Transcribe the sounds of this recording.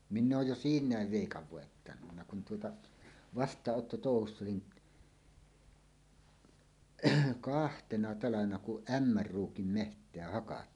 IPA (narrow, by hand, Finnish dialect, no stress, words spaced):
minː oːj jo siːnˑæːʋ ʋeˑikɑʋ ʋoˑetːɑnunːɑ kun tuotɑ ʋɑstˑɑːʔːotːotoˑuhusː olin kɑhtenɑ tɑlɑʋenɑ kuʔ ruːkim mehtˑeæ hɑkɑtːiːn